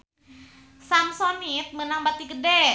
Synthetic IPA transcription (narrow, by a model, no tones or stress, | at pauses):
samsonit̪̚mənaŋbat̪iɡədɛ